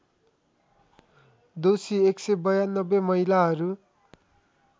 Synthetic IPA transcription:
d̪osieksebʌjanːʌbemʌɦilaɦʌɾu

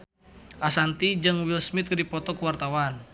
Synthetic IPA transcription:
ʔasant̪id͡ʒɨŋwilsmit̪̚dipɔt̪ɔkəwart̪awan

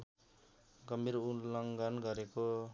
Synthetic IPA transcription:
ɡʌmbiɾulʌŋɡanɡʌɾeko

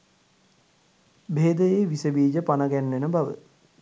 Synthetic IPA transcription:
beːd̪əjeːʋisəbiːd͡ʒəpanəɡænːenəbaʋə̰

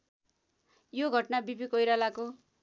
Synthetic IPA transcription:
joɡʱʌʈnabibikʌjɾalako

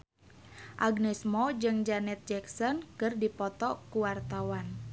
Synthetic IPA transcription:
ʔaɡnɛsmɔd͡ʒɨŋd͡ʒanɛt̪̚d͡ʒɛksɔnkɨrdipɔt̪ɔkuwart̪awan

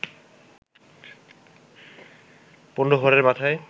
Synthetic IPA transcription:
ponɖoɦɔɾeɾbat̪ʰae

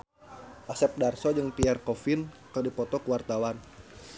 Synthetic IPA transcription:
ʔasɛp̚darsɔd͡ʒɨŋpiarkɔfɪn | kədipɔt̪ɔkəwart̪awan

